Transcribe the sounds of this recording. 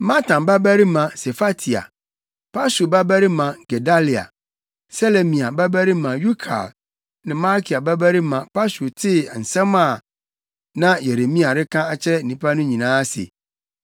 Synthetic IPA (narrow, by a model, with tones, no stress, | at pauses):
mã˦tʰã˨ba˦bæ˦ɾi˦mã˨sɛ˨fa˦tʰi˨a̰˨ | pʰa˦su˨ba˦bæ˦ɾi˦mã˨ɡ̥ɛ˨da˦li˨a̰˨ | sɛ˦le˨mĩ˨a˨ba˦bæ˦ɾi˦mã˨ju˦kʰa̰˨ | nɪ̃˨mã˦kʰi˨a˨ba˦bæ˦ɾi˦mã˨pʰa˦su˨tʰɪ˦˨n̩˨sɛ̃˦ma˨ | nã˦je˨ɾe˨mĩ˦a˨ɾɪ˦kʰã˦a˨t͡ɕʰɾɛ˦n̩˨nĩ˦pʰa˦nʊ̃˦ɲĩ˨nãː˨˦sɪ̰˨